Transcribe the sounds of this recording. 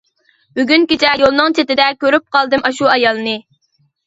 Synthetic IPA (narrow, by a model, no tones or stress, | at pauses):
byɡʲynkʲet͡ʃʰɛjolˠnɨŋt͡ʃʰet̪ɪd̪ɛkʲøɾyp̚qʰɑlˠd̪ɨmʔɑʃuɑjɑlˠnɨ